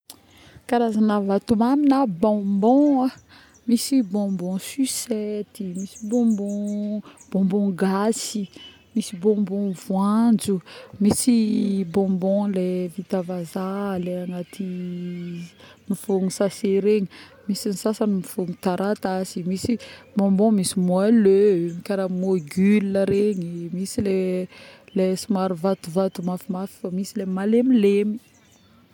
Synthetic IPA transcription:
kaɾazanavat̪umaminabɔ̃mbɔ̃a | misibɔ̃mbɔ̃sysɛt̪imisibɔ̃mbɔ̃b̥ɔ̃mbɔ̃ɡasi | misibɔ̃mbɔ̃vwand͡zumisibɔ̃mbɔ̃levit̪avazaleaŋat̪ʰi | mifuŋusaseɾeɲi | misinisasanimifuŋut̪aɾat̪azimisibɔ̃mbɔ̃misimwalømikaɾamoɡyliəɾeɲimisile | lesumaɾuvat̪uvat̪umafimafi̥famisilemalemilemi

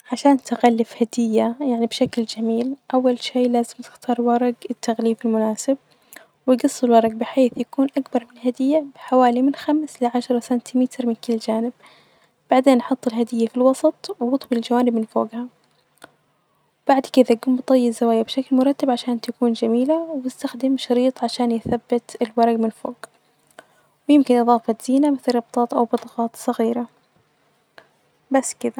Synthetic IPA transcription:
ʕaʃaːnt̪ɪɣalːɪfhad̪ɪjːajaʕnibʃakld͡ʒamiːlʔawːalʃiːlaːzɪmt̪ɪ̥xt̪ʰɑːɾˤwɑɾˤɑɡɪt̪ːaɣliːfɪlmʊnaːsɪb̚ | wɪjɡɑsˤːɪlwɑɾˤɑɡ̚bɪħeːθjakuːnʔakbɑɾˤmɪnhad̪ɪjːab̥ɪħawaːlimɪnxamslɪʕaʃɑɾˤɑsant̪ʰimɪt̪ɾmɪnkɪlːd͡ʒaːnɪb̚ | b̥aʕd̪eːnʔɑħɑt̪ˤːɪlhad̪ɪjːafilwɑsˤɑt̪ˤwwʊt̪ˤbld͡ʒawaːnɪbmɪnfo̰ːɡha | wb̥aʕd̪kɪd̪aɡʊːmbt̪ˤɑjːɪzawaːjabʃaklmʊɾˤɑt̪ːabʕaʃaːnt̪akuːnd͡ʒamiːlawɪst̪axd̪ɪmʃɑɾiːt̪ˤʕaʃaːnjɪθabːɪt̪ɪlwɑɾˤɑɡmɪnfo̰ːɡ | wɪjɪmkɪnʔɨðˤɑːfɑt̪z̥iːnamɪθɾˤɑb̚t̪ˤɑːt̪ˤʔawbɑt̪ˤɑɣɑːt̪sˤɑɣiːɾa | basːkɪd̪a

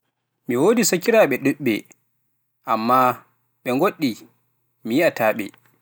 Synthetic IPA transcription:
miwoːdisakiɾaɓɛɗuɗːɛ | ʔa̰mːa | ɓɛŋɡoɗːi | mijiataːɓɛ̰

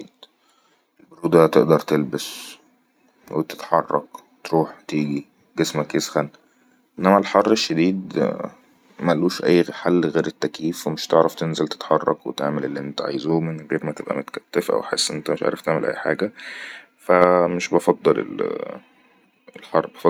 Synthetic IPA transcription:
d̪ | ʔelboɾuːd̪æt̪eʔd̪ɑɾˤt̪elbæs | wet̪e̥t̪ħɑrˤːɑ̰k | t̪ɾuːħt̪iːɡi | ɡesmækʔesxæl | ʔenːæmælħɑrˤːeʃːed̪iːd̪ | mæluːʃʔæjːħalːɣeːɾet̪ːækiːfwemeʃt̪eʕɾæft̪enzælt̪e̥t̪ħɑrˤːɑ̰kwet̪eʕmelelːiʔent̪æʕa̰jzumenɣeːɾmæt̪ebʔæ̰mot̪æ̥kæt̪ːefʔæ̰wħesːʔent̪æmeʃʕa̰ɾft̪eʕmelʔæ̰jːħa̰ːɡæ | fæmeʃbɑfɑd̪ˤːɑlḛl | ʔelħɑrˤːbɑfɑ

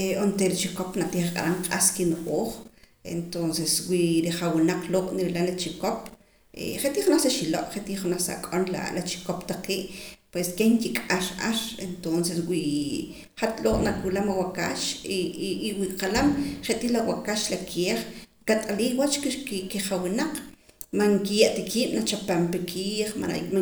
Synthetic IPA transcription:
eont̪eɾit͡ʃikopnat̪iːχqʼa̰ɾaŋqʼaskinuʔʼoːχ | ḛnt̪onseswiɾiχawinaq͡χloʔniɾelalat͡ʃikop | ḛχet̪iːχnaχsaʃiloʔχet̪iχunaχsa̰kʼonla̰lat͡ʃi̥kopt̪aqiːʔpweskeŋkikʼaʃʔaɾent̪onseswi | χat̪loːʔnakʼulamawaka̰ʃ | wiqalamχeʔt̪ilawakaʃlakʰeːχkat̪ʼaliːχwat͡ʃkkiχawinaq͡χmaŋkijaʔt̪akʰi̥ːnat͡ʃapampikʰiːχma̰na̰ima

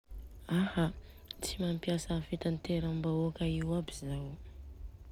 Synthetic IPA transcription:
aha | t͡simampjasafit̪ant̪eɾambaokaiwabiza

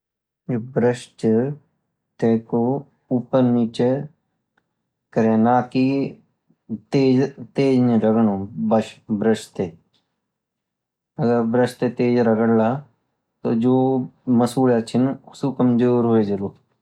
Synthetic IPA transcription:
jobɾəʃt͡ʃ | t̪eːko | upəɾniːt͡ʃe | kəɾẽːnaːki | t̪eːd͡ʒt̪eːd͡ʒnɾəɡɳobəʃbɾəʃt̪e | ɐɡəɾbɾəʃt̪et̪eːd͡ʒɾɐɡəɽlaː | t̪od͡ʒoːməsuːljat͡ʃʰɪnʊsukəmd͡ʒoːɾɦoed͡ʒɐloː

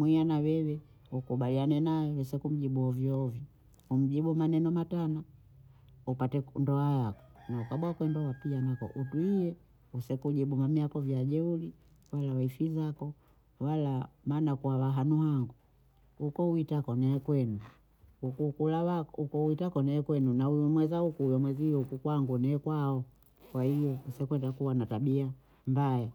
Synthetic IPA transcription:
mwuianawɛwɛ | ukuɓalianɛnajɔwɛsɛkum̩ɟiɓuɔvjiɔvjɔ | um̩ɟiɓumanɛnɔmatana | upatɛndɔajakɔ̥naukaɓwakwɛndɔapianakɔ̰ʔutuijɛ | usɛkuɟiɓumamiakɔvjaʄɛuli | walawaifizakɔ | walamaːnakuawaɦanuɦaŋɡu | ukɔuitakɔnɛːkwɛnu | ukukulawaukɔuwitakɔnɛːkwɛnunaujɔmwɛzaukuujɔmwɛzijɔhukukwaŋɡunɛːkwaɔ | kwahijɔusɛkwɛndakuwanataɓia | mbajɛ

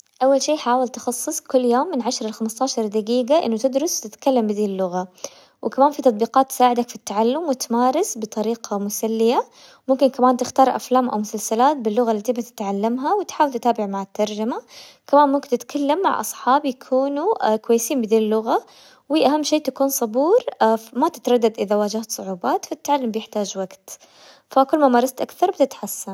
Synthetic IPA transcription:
ʔawːalʃiːħaːwɪlt̪ɪxɑsˤːɨsˤkʊlːjoːmːɪnʕaʃɾˤalxamst̪aːʃɑɾˤd̪aɡiːɡaʔɪ̰nːʊt̪ɪd̪ɾʊst̪ɪt̪kalːambɪd̪iːɪlːʊɣa | wɪkamaːnfit̪ɑt̪ˤbiːqɑːt̪ːɪ̥saːʕɪd̪akfit̪ːaʕalːʊmwɪt̪maːɾˤɪsbɨt̪ˤɑɾiːqʰɑmʊsalːɪja | mʊmkɪnkamaːnt̪ɪxt̪ɑːɾˤʔa̰flaːmʔa̰wmʊsalsalaːt̪̚bɪlːʊɣalːat̪ibat̪ɪ̥t̪ʕalːamɦawɪt̪ħaːwɪlt̪ɪt̪aːbɪʕmaʕɪt̪ːɑɾˤd͡ʒama | kamaːnmʊmkɪnt̪ɪt̪kʰalːamːa̰ʕʔɑ̰sˤħɑːbjakʰuːnukwajːɪsiːmbɪd̪iːlːʊɣa | wiʔaɦamːʃeːt̪akuːnsˤɑbuːɾmat̪ɪ̥t̪ɾˤɑd̪ːad̪ʔɪðawaːd͡ʒaht̪sˤʊʕuːbaːt̪fit̪ːaʕalːʊmbjɪħt̪aːd͡ʒwaɡt̪ | fakʊlːmamɑːɾˤɑst̪ʔakθɑɾˤbt̪ɪt̪ħasːan

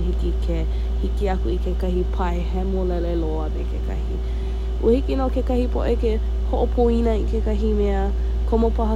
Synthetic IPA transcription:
hikikʰe | hikiɐkuikekɐhipʰɐeɦɛmolɛleloəmekʰekʰɐ̰hi | ʔuəhikinokekɐhipo̰ʔeke | hoʔopʰoinəikekɐɦimeə | kʰomopɐɦə

